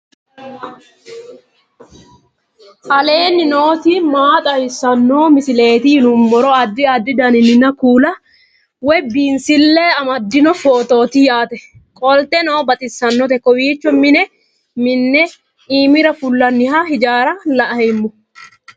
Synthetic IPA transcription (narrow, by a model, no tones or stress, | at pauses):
ɐle̞ːnːɪno̞ːt̪imaːt̪ʼɐjɪsːɐnːoːmɪsɪle̞ːt̪ɪɪnʊmːɔɾɔɐd̪ːɪɐd̪ːɪd̪ɐnɪnːɪnːɐkuːlɐ | wɛbiːnsɪlːeːɐmɐd̪ːɪnɔfo̞ːt̪o̞ːt̪ɪjaːt̪ɛ | kʼɔlt̪ɛnoːbɐt̪ʼɪsːɐnːɔt̪ɛkːɔwiːt͡ʃːɔmɪnɛ | mɪnːɛ | iːmɪɾɐfʊlːɐnːɪhahɪd͡ʒaːɾɐlɐʔɐhɛmːɔ